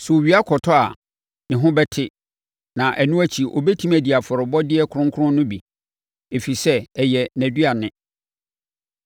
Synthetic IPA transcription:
sʊ˨o˨ɥi˦a˦kʰɔ˨tʰɔ˦a˨ | nɪ̃˨ɦʊ̃˦bɛ˦tʰɪ˦ | nã˨ʔæ˨nũ˦æ˦t͡ɕʰi˨ʔo˨bɛ˦tʰĩ˦mæ˨di˨a˨fɔ˨ɾʊ˨bɔ˦dɪ˦ɛ˦kʰʊ˦ɾʊ̃˦ŋkʰʊ˦ɾʊ̃˦nʊ̃˦bi˨ | e˨fi˨sɛ˦ɛ˨jɛ˨næ̃˨dɥa˨nɪ̃˦

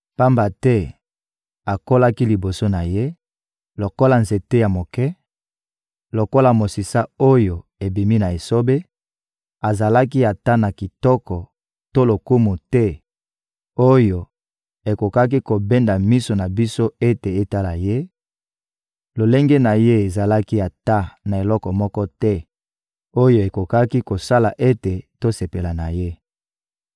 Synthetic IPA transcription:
pa˦mba˨tɛ˦ | a˨ko˦la˦ki˦li˨bo˨so˦na˨je˦ | lo˨ko˦la˨nze˨te˦ja˨mo˨kɛ˦ | lo˨ko˦la˨mo˨si˨sa˦o˦jo˨e˨bi˨mi˦na˨e˨so˦be˦ | a˨za˨la˦k̬i˦a˨ta˦na˨ki˨tɔ˦kɔ˨ | to˦lo˨ku˦mu˨tɛ˦ | o˦jo˨ | e˨ko˨ka˦k̬i˦ko˨be˦nda˨mi˦so˨na˨bi˦so˦e˦te˨e˦ta˦la˨je˦ | lo˨le˦ŋɡe˦na˨je˦e˨za˨la˦ki˦a˨ta˦na˨e˨lɔ˦kɔ˨mɔ˦kɔ˦tɛ˦ | o˦jo˨e˨ko˨ka˦ki˦ko˨sa˦la˨ʔe˦te˨to˦se˨pe˨la˨na˨je˦

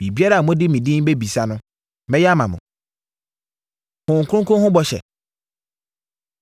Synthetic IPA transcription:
bi˨bi˦a˦ɾa˨a˨mʊ̃˦dɪ˦mĩ˨dĩ˦be˦bi˨sa˦nʊ̃˦ | mɛ̃˦jɛ˦a˦mã˨mʊ̰̃˨ | hʊ̃˨ŋ̩˨kʰɾʊ̃˦kʰʊ̃˦hʊ̃˦bɔ˦ɕɛ̰˨

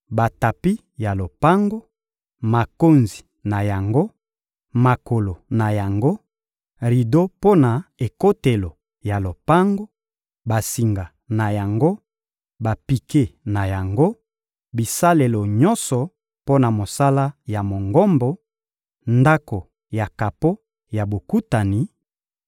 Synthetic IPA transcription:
ba˨ta˨pi˦ | ja˨lo˨pa˦ŋɡo˦ | ma˨ko˦nzi˨ | na˨ja˨ŋɡo˦ | ma˨ko˨lo˨na˨ja˨ŋɡo˦ | ʁi˨do˦po˦na˨e˨ko˦te˨lo˨ | ja˨lo˨pa˦ŋɡo˦ | ba˨si˨ŋɡa˨ | na˨ja˨ŋɡo˦ | ba˨pi˨ke˦na˨ja˨ŋɡo˦ | bi˨sa˦le˨lo˨ɲɔ˦nsɔ˨ | po˦na˨mo˨sa˦la˦ja˨mo˨ŋɡɔ˦mbo˨ | nda˦ko˨ | ja˨ka˨po˦ | ja˨bo˨ku˦ta˨ni˨˦

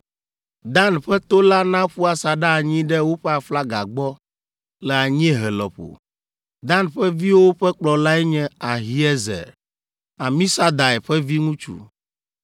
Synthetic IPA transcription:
d̪a˦nɸɛ˦t̪o˦la˦nã˦ɸu˦a˨sa˨ɖa˦˨ɲĩ˦ɖɛ˦wo˦ɸɛ˦a˨fla˦ɡa˨ɡ͡bɔ˦ | lɛ˨a˨ɲĩ˦ɛ˦ɦɛ˨lɔ̰˨ɸo̰˨ | d̪ã˦nɸɛ˦vi˦wo˦o˦ɸɛ˦k͡plɔ˨la˦ɛ˦ɲɛ̃˦a˨ɦi˨ɛ˦zɛ̰˨ | a˨mĩ˦sa˦d̪a˨ɛ˨ɸɛ˦vi˦ŋũ˦t͡ʃṵ˨

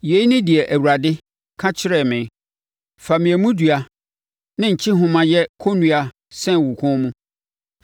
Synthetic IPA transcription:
je˨˦nɪ̃˦di˨ɛ˨ʔæ˨wu˨ɾa˨dɪ˦ | kʰã˦t͡ɕʰɪ˦ɾɛ˨mɪ̃˨˦ | fa˨mɪ̃˨ɛ˨mũ˦du˨a˨ | nɪ̃˦ɲ̩˨t͡ɕʰi˦ɦʊ̃˨mã˨jɛ˦kʰo˦nũ˦a˨ | sɛ̃˦˨wu˨kʰʊ̃˦mũ˦

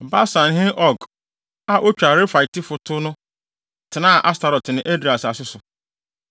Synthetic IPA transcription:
ba˦sã˨n˦ɦɪ̃˦ʔɔ˨ɡ | a˨ʔo˦t͡ɕᶣa˨ɾe˦fa˨ɪ˨tɪ˦fʊ˨tʰʊ˦nʊ̃˦ | tʰɪ˨nã˦˨ʔa˦sta˨ɾɔ˨tnɪ̃˨ʔe˦dɾi˨a˨sa˨sɪ˦sʊ˨

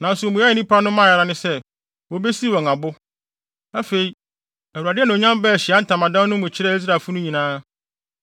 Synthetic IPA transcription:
nã˨n˦sʊ˨mũ˨jɛ˦ɛ˨nĩ˦pʰa˦nʊ̃˦mã˦˨a˨ɾa˦nɪ̃˦sɛ˦ | wɔ˨be˦si˦˨wɔ̃˨ŋa˨bʊ˦ | a˦fe˨i˨ | æ˨wu˨a˨dɪ˦ɛ˦nʊ̃˨o˨ɲã˦m˦bɛ˦˨ɕɪ˨a˦n̩˨tʰã˨mã˨dã˦nʊ̃˦mʊ̃˨t͡ɕʰɪ˦ɾɛ˦˨i˦s̬ɾa˨fʊ˦nʊ̃˦ɲĩ˨nãː˦

